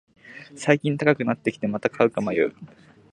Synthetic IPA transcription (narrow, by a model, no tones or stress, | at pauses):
saikʲĩnt̪akakɯ̟nat̪ːe̞kʲi̥t̪e̞mat̪akʰaɯ̟kamajɯ̟̰ː